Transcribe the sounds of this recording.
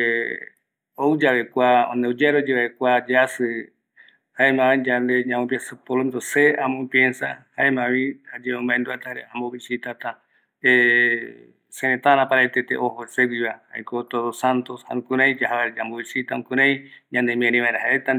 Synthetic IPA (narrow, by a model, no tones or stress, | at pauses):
owd͡ʒaβekʷaõ̰neud͡ʒeɾod͡ʒeβaekʷad͡ʒeasɨ | haemãĩd͡ʒand̪eɲãmõpjesɨpolond̪oseamõpjensa̰haemãβĩad͡ʒeõmbaend̪uat̪ahaɾeamboβisit̪at̪a | e | seɾẽt̪aɾãpaɾaet̪et̪ḛʔohoseɡʷiβaha̰ekot̪oðosant̪osha̰ɾũkũɾãĩd͡ʒaɦaaɾd͡ʒamboβisit̪aũkuɾãj̃ɲãnd̪emĩẽɾĩβaẽɾaɦaet̪a